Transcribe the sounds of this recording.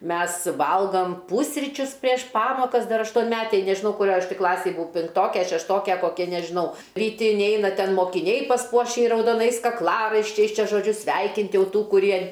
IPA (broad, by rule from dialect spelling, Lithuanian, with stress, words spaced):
ˈmʲɛs ˈʋɐlˠɡoːm ˈpuːsʲrʲɪt͡ʃʲʊs pʲrʲiɛʃ ˈpɑːmoːkɐs ˈdɐr ɐʃtoːnʲˈmʲæːtʲeːj nʲɛʒʲɪˈnɐʊ kʊˈrʲoːj ˈɐʃ tʲiː ˈklˠɑːsʲeːj bʊˈɐʊ pʲɪŋkˈtoːkʲɛ ɐ ʃʲɛʃˈtoːkʲɛ ˈkoːkʲɛ nʲɛʒʲɪˈnɐʊ rʲiːˈtʲɪ ɪnʲˈɛɪnɐ ˈtʲɛn moːkʲɪˈnʲɛɪ pɐsˈpuɔʃʲɪ rɐʊdoːˈnɐɪs kɐkˈlˠɑːrɐɪʃʲt͡ʃʲɛɪs ˈt͡ʃʲɛ ʒoːˈd͡ʒʲʊ ˈsʲʋʲɛɪkʲɪnʲtʲ ˈjɛʊ ˈtuː kʊˈrʲiɛ